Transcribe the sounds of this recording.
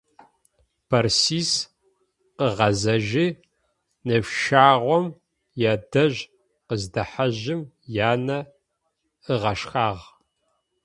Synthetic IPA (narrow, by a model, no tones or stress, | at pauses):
b̥ʰɐrsiːs | qəʁɐzɐʒi | nɨfʃaːʁʷɔm | jaːdɐʑ | qəzdɐħaʑɪm | jaːnɐ | əʁɐʃxaːʁ